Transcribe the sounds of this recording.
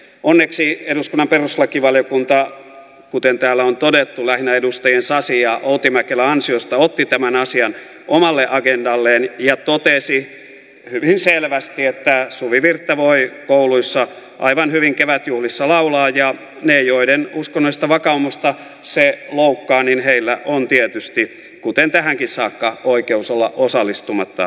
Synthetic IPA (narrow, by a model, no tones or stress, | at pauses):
onːeksieɾuskunːɑmperuslɑkiʋɑljokunt̪ɑ | kut̪ent̪æːlːæont̪odet̪ːulæhinæedust̪ɑjensɑsijɑʔout̪imækelæɑnsiost̪ɑot̪ːit̪æmænɑsiɑn | ʔomɑlːeʔɑɡendɑlːeːnjɑt̪ot̪esi | hyʋinselʋæst̪iet̪ːæsuʋiʋirt̪ːɑʋoikouluisːɑ | ʔɑ̰iʋɑnhyʋiŋkeʋæt̪juhlisːɑlɑulɑːjɑ | neːjoidenuskonːoist̪ɑʋɑkɑumust̪ɑ | seloukːɑːninheilːæʔont̪iet̪yst̪i | kut̪ent̪æhæŋkissɑːkːɑoikeusolːɑʔosɑlːist̪umɑt̪ːɑ̰